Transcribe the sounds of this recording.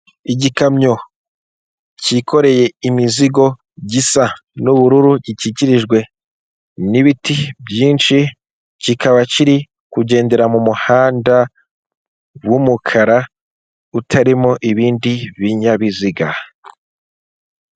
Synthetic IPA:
iɟikamɲo̞ | cikʰo̞ɾe̞je̞imiziɡo̞ | ɟisanuβuɾuɾuɟiciciɾiʒɡwe̞ | niβitibjiːnʃi | cikʰaβaciɾi | kuɟe̞ːnde̞ɾamumuhaːnda | wumukʰaɾa | utʰaɾimoʔiβiːndiβiɲaβiziɡa

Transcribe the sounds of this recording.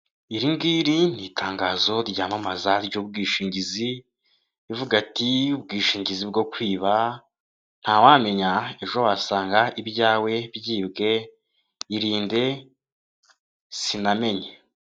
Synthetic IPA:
iɾiŋɡiːɾinitʰaːŋɡaːzo̞ɾɟaːmamazaɾɟoːb̚ɡiːʃiːɲɟiziː | vuɡatiub̚ɡiːʃiːɲɟizib̚ɡo̞kwiːβa | n̥haːwame̞ɲae̞ʒo̞waːsaːŋɡaʔibjaːwe̞βjiːbɡe̞ | iɾiːnde̞ | siname̞ɲe

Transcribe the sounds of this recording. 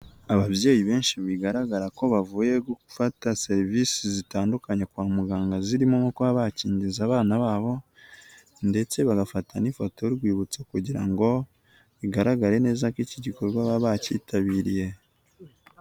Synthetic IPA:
aβaβje̞ːjiβe̞ːnʃiβiɡaɾaɡaɾako̞βavuːje̞ɡoku̥fatase̞ɾivisizitaːndukaɲekwaːmuɡaːŋɡaziɾimomokoβaβaciːɲɟizaːβaːnaβaːβo̞ | nde̞t͡se̞βaɡafatʰanifoto̞iɾɡwiːβut͡sekuɟiɾa̰ŋɡo̞ | βiɡaɾaɡaɾe̞ne̞ːzakiciɟiko̞ɾɡwaβaβaciːtʰaβiːɾije̞

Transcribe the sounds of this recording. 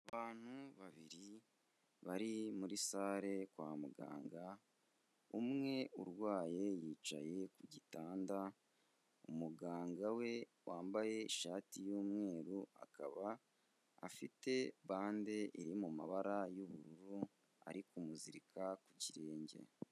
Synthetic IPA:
aβaːn̥huβaβiɾi | βaɾimuɾisaːɾe̞kwa̰ːmuɡa̰ːŋɡa | umŋe̞uɾwaːje̞jiːt͡ʃa̰je̞kuɟitaːnda | umuɡaːŋɡawe̞waːmbaje̞iʃaːtijuːmŋe̞ːɾua̰kaβa̰ː | fite̞βaːnde̞ʔiɾimumaβaɾajuβuɾuɾu | a̰ɾikumuziɾikʰakuciɾe̞ːɲɟḛ

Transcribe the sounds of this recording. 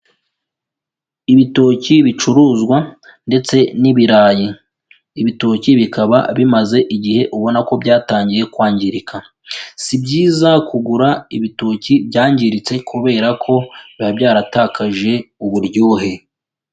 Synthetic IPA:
iβito̞ciβit͡ʃuɾuːzɡwa | nde̞t͡se̞niβiɾaːji | iβito̞ciβikaβa̰βimaze̞ʔiɟihe̞ʔuβo̞nako̞bɟaːtaːɲɟije̞kwaːɲɟiɾika | sibɟiːzakuɡuɾaiβitoːcibɟaːɲɟiɾit͡se̞kʰuβe̞ːɾakʰo̞βabɟaːɾataːkʰaʒe̞uβuɾɟoːɦe̞

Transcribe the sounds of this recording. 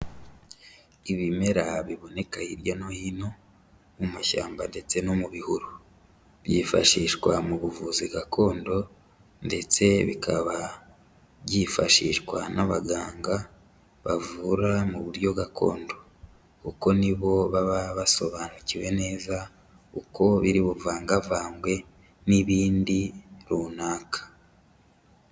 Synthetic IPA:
iβime̞ɾaβiβo̞ne̞kahiɾjo̞no̞hino̞ | uumaʃa̰ːmbande̞t͡se̞no̞muβihuɾu | βjifaʃiʃkwamuβuvuziɡakʰo̞ːndo̞ | nde̞t͡se̞βikʰaβa | βjifaʃḭːʃkwanaβaɡaːŋɡa | βavuɾamuβuɾjo̞ɡakʰo̞̰ːndo̞ | kuko̞niβo̞βaβaβaso̞βaːnuciwe̞ne̞ːza | uko̞βiɾiβuvaːŋɡavaːŋɡwe̞ | niβiːndiɾuːnaːkḁ

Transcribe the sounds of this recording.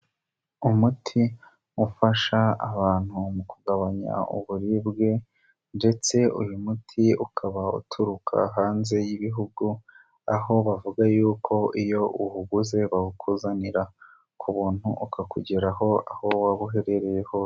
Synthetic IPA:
umutʰi | ufaʃaːβaːn̥humukuɡaβaɲa̰ṵβuɾibɡe̞ | nde̞t͡se̞ujumutʰiukʰaβaṵtʰuɾukʰa̰ɦaːnze̞jiβiɦuɡu | aɦo̞βavuɡajuːkʰo̞ijo̞ʔuɦuɡuze̞βaɡukʰuzaniɾa | kʰuβuːn̥huʔukakṵɟeɾaɦo̞aho̞waβuɦe̞ɾe̞ɾe̞je̞ho̞

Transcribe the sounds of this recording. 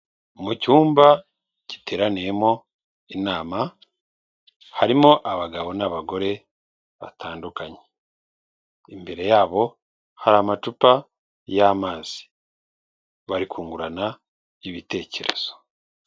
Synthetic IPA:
umucuːmba | ci̥te̞ːɾanijemo̞ | inaːma | haɾimo̞ʔaβaɡaβo̞naβaɡo̞ɾe̞ | βa̰tʰaːndukaɲe̥ | imbe̞ɾe̞jaːβo̞ | haɾamatupa | jamaːz̥i̥ | βaɾikuːŋɡuɾana | iβite̞ːce̞ɾe̞̰z̥o̞̥

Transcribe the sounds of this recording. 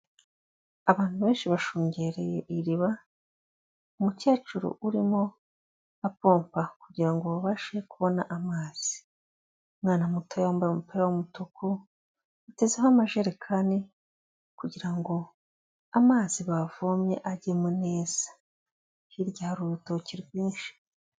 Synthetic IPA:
aβaːnhuβe̞ːnʃiβaʃuːɲɟe̞ɾejeʔiɾiβa | umuce̞ːt͡ʃuɾo̰ʔuɾimo̞ | apo̞ːmpakuɟiɾaŋɡo̞βaβaʃe̞kuβo̞na̰ʔamaːz̥i̥ | mŋaːnamutojaumbamupejawomutuku | ute̞zehoamaʒeɾekʰane | kuɟiɾaŋɡo̞ | amaːziβavomɲe̞̰ʔaɟemune̞ːz̥ḁ | hiɾɟaːɾuutociɾɡwiːnʃi̥

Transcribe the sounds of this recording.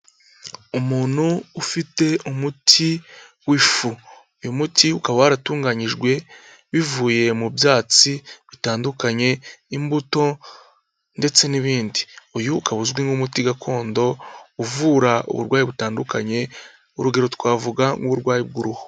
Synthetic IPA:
umuːn̥huːfite̞umutʰi | wifu | ujumutʰiukaβawaɾatuːŋɡaɲiʒɡwe̞ | βivuːje̞mubjaːt͡siβitaːndukaɲe̞imbuto̞ | nde̞t͡se̞niβiːndiujukaβuzɡwiŋɡumutiɡakʰo̞ːndo̞uvuːɾaṵβṵɾɡwaːjiβutaːndukaɲe̞ | uɾuɡe̞ɾo̞twaːvuɡaŋɡuβuɾɡwaːjib̚ɡuɾuho

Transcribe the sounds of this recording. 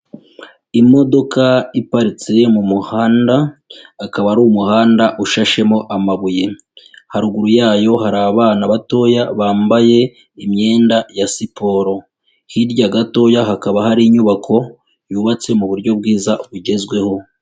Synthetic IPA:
imo̞do̞kaipaɾit͡se̞mumuhaːndaːkaβaɾumuhaːndaʔuʃaʃe̞mo̞ʔamaβuje̞ | haɾuɡuɾujaːjo̞haɾaːβaːnaβato̞ːjaβaːmbaje̞ | imɲe̞ːndajasipo̞ɾo̞ | hiɾɟaɡato̞jaɦakaβahaɾiɲuβakʰo̞ | juːβat͡se̞muβuɾɟo̞b̚ɡiːzaβuɟe̞zɡwe̞ho̞

